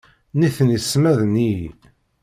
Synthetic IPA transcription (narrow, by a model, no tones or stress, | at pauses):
niθənisːmæðni